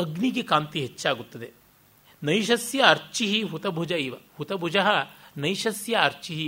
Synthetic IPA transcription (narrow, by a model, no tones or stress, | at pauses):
ɐɡnik̬ikaːmt̪iɦɐtːʃaːɡut̪ːɐd̪e | nɐjʃɐsjɐːɾt͡ʃiɦiɦut̪ɐbʱud͡ʒɐiːʋɐhut̪ɐbʱud͡ʒɐɦɐ̆nɐjʃɐsjɐːɾt͡ʃiɦi